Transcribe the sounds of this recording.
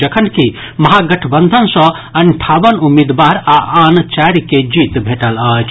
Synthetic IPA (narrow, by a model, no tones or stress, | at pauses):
əkʰənki | mɐɦaɡəʈʰbənd̪ʱənsɔ̃ | ənʈʰaʋənumid̪baɾaʔant͡ʃaɾked͡ʒit̪bʱeʈələːt͡ʃʰ